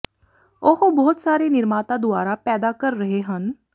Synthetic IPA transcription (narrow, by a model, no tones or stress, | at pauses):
ʊhobɔːt̪saːɾeːnɪɾmaːt̪ãːd̪ʊaːɾaːpɛːd̪aːkəɾːəɦeːɦən